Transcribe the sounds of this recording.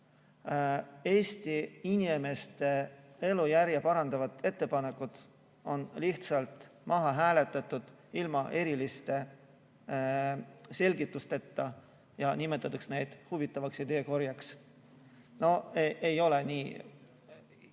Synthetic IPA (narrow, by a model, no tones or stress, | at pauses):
e̞ːst̪iinʲime̞st̪e̞e̞lujæɾjɑpɑɾɑnd̪̥ɑvɑt̪e̞t̪ːe̞pɑne̞kːˑud̪̥ | o̞nliht̪sɑlt̪ˑmɑɦɑɦæːle̞t̪ːˑɑt̪ːˑud̪̥ | ilmɑʔe̞ɾilist̪e̞ | se̞lʲɡit̪ːˑust̪e̞t̪ːɑ | jɑnime̞t̪ːˑɑt̪ːɑksne̞jd̪̥huvit̪ːˑɑvɑksjɑd̪e̞ːko̞rjɑks | no̞eejo̞le̞niː